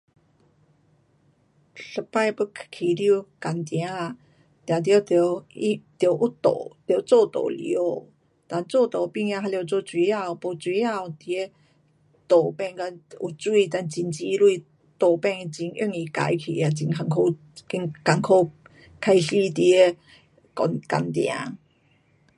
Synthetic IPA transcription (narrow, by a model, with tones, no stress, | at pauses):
ɬə˧pa˥˧jpə˧kʰkʰi˨li˧u˨ka˨˩nt̪j̃ã˨˦˨ | t̪ja˨˩t̪jo˧˦t̪o˧i˦t̪jo˨˧˦ʔu˦t̪o̰˨˩t̪jo˨˧˦t͡so˥˧˨t̪o̰˨lḭ˨o˧˦˧ | t̪a˧nt͡sɔ˥˧˨t̪o˨pi˥˧ŋja˧ɦa˧lo˧t͡so˧t͡swi˧˦a˥˧˨po˧t͡swi˧˦a˥˧˨t̪i˧e˦ | t̪o˨˩pɛ˥˧ŋka˧u˨˩t͡swi˧˨t̪a˧nt͡ɕi˧nt͡ɕi˧˦lwi˥˧ | t̪o˨˩pɛ˥˧ŋ˧t͡ɕi˧ny̰˥˧˨ŋi˨ka̰˨jkʰḭ˨a˨˧˩t͡ɕi˧ŋkʰa˧ŋkʰo˧ | ki˧ŋka˨ŋkʰo˧ | kʰa˧jɕi˦t̪i˧e˦ | kɔ̰˨nka̰˨nt̪jã̰˧˦